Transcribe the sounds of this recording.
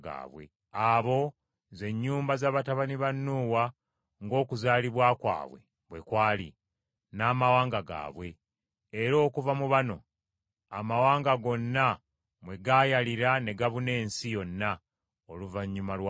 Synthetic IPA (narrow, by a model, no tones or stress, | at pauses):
ɡa̰ːβwḛ | aβo̞ | ze̞ɲːuːmbazaːβataβaniβanːuːwa | ŋɡo̞ːkuzaːliβwaːkwa̰ːβwe̞̰ | βwe̞kwaːlḭ | naːmawaːŋɡaɡa̰ːβwe̞ː | ɾo̞ːkuvamuβano̞̰ | amawaːŋɡaɡo̞nːa | mwe̞ɡajaliɾane̞ɡaβune̞ːnsijo̞nːa | oluvaɲːumalwa